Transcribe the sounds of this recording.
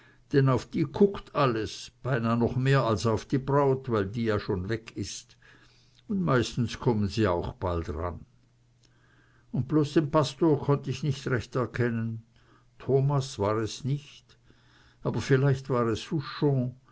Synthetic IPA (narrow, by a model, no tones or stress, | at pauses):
d̥ɛnaʊfd̥iːkʰʊktʰaləsb̥aɪnaːnɔχmeːɐalsaʊfd̥iːbʁaʊtvaɪldiːjaːʃoːnvɛkʰɪst | ʊndmaɪstn̩skʰɔmənziːa̰ʊxb̥altʁa̰n | ʊnt̚b̥loːsd̥eːmpʰastoːɐkʰɔntəɪçnɪçtʁɛçtɛɐkʰɛnən | tʰoːmasv̥aːʁɛsnɪçt | ʔaːb̥ɐfɪlaɪçtv̥aːʁɛshuʃɔ̃ː